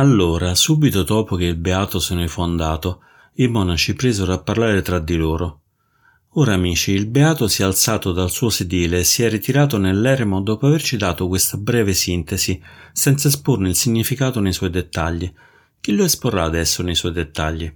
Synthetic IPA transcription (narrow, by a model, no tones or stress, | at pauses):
alːoːɾasuːbit̪od̪ɔːpok̟eilbeaːt̪osenoifond̪aːt̪o | imɔːnat͡ʃipɾeːzoɾapːarlaːɾet̪ɾad̪ːiloːɾo | oːɾaːmiːt͡ʃiːlbeaːt̪osiɛalt̪saːt̪od̪alsuːosed̪iːleːsːiɛrːit̪iɾaːt̪onelːɛɾmod̪ɔːpoavert͡ʃid̪aːt̪okwest̪abɾɛːvesint̪ezisɛnt̪saisporneilsiɲːifikaːt̪onejswɔjd̪et̪ːaʎːi | k̟ilːoesporaːd̪ɛsːonejswɔjd̪et̪ːaʎːi